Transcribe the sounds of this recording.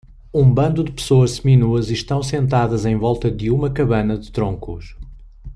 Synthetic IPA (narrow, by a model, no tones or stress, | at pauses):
ũbɐ̃nd̪ud̪ɨpɨ̥soɐʃminuɐziʃt̪ɐ̃w̃sẽnt̪aðɐzẽj̃vɔlˠt̪ɐðɨumɐkɐβɐnɐðɨt̪ɾõŋkuʃ